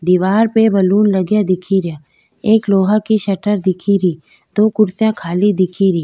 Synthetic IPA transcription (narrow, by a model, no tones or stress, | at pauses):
d̪iːʋaːɾpebɐluːnləɡjad̪ɪkʰiɾja | eːkloːɦakiʃɐʈəɾd̪ɪkʰiɾiː | d̪oːkʊɾsjãkʰaːlid̪ɪkʰiɾiː